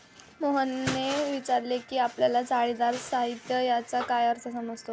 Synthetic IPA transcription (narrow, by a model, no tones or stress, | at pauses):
moɦənːeʋit͡ɕaɾlekiːapljalat͡saɭid̪aɾsaɦit̪jəjat͡sakajəɾt̪ʰəsəməd͡zt̪ʰo